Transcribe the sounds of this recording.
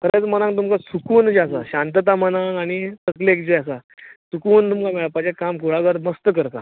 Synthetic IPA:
kəɾat͡smənãŋɡ̚t̪̬umkasukuːnd͡ʑeasaɕãnt̪̬ət̪amənaŋɡaɽ̃it̪əklekd͡ʑeas̬asukuːnt̪umkameɭapad͡ʑekamkuɭaɡəɾməst̪əkəɾka̰

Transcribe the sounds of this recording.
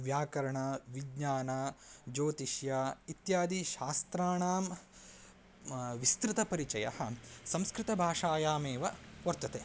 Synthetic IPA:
ʋjaːkɐɾɐɳɐʋiɡɲaːnɐd͡ʒoːt̪iʃjaːit̪jaːd̪iʃaːst̪ɾaːɳaːm | ʋist̪ɾɪt̪ɐpɐɾit͡ʃɐjɐ̰hɐ̆sɐ̃mskɾɪt̪ɐbʱaːʂaːjaːmeːʋɐʋɐɾt̪ɐt̪eː

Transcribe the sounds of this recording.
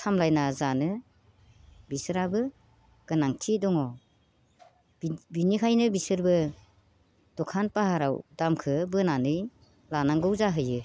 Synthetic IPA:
tʰamlajnazanɯ | bisɯɾabɯ | ɡ̥ɯnaŋtʰidɔŋɔ | binikʰajnɯbisɯɾbɯ | d̥ɔkʰanpaɦaɾawd̥amkʰɯbɯnanɯj | lanaŋɡɯwzaɦɯjɯ

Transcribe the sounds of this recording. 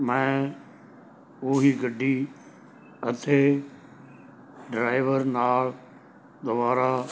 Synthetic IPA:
mɛ̃ | uːɦiɡɐɖʱi | ɐt̪ʰe | ɖɾaːɪʋəɾnaːɭ | d̪ʊbaːɾa

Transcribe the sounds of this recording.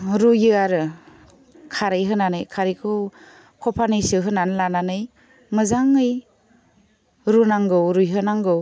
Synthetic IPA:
ɾujɯaɾɯ | kʰaɾɯjɦɯnanɯjkʰaɾikʰɯw | kʰɔpʰanɯsɯɦɯnanlananɯj | mɯzaŋɯj | ɾunaŋɡɯwɾujɦɯnaŋɡɯw

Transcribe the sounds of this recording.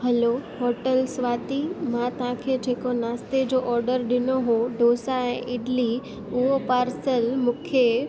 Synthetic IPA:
ɦɐloɦoːʈəlsʋaːt̪imãt̪ɐɦãkʰed͡ʑʱeːkonaːst̪ed͡ʑoːʔɔːɾɖəɾɗɪnoɦoɖoːsaɛ̃ːʔɪɖli | ʊɦopaːɾsəlmũːkʰe

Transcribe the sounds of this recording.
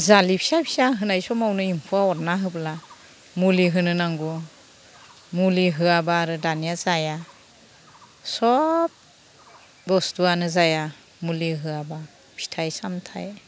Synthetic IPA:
zalipʰi̥sapʰi̥saɦɯnajsɔmawnɯimpʰuaɔɾnaɦɯbla | muliɦɯnɯnaŋɡu | muliɦɯabaːɾɯdanijazaja | sɔp̚ | bɔstuanɯzaja | muliɦɯaba | pʰi̥tʰajsamtʰa̰j

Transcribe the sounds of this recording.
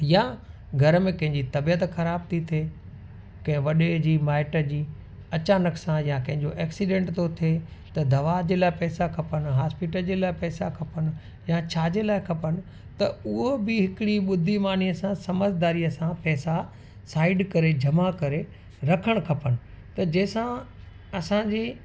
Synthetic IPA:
ja | ɡʱɐɾəmẽkɐ̃ɦɪ̃ɲd͡ʑit̪ɐbiət̪xɐɾaːbt̪ʰit̪ʰeː | kɐ̃ɦɪ̃ʋɐɗed͡ʑiːmaːɪʈə̆d͡ʑiː | ɐt͡ɕaːnəksãjakɐ̃ɦɪ̃ɲd͡ʑoʔɛːksiɖẽːɳʈt̪ot̪ʰeːt̪ɐd̪ɐʋad͡ʑeːlaːɪpɛːsakʰɐpən̆ɦaːspɪʈəld͡ʑeːlaːɪpɛːsakʰɐpənɪ̆ | jat͡ɕʰaːd͡ʑeːlaːɪkʰɐpənɪ̆ | t̪ɐʊɦobɪɦɪkɪɽiɓʊd̪ʱimaːn̤iəsãsɐməzʱd̪aːɾiɐsãpɛːsa | saːɪɖkɐɾed͡ʑʱɐmakɐɾe | ɾɐkʰəɽ̃kʰɐpənɪ̆ | t̪ɐd͡ʑɛːsã | ɐsãd͡ʑeː

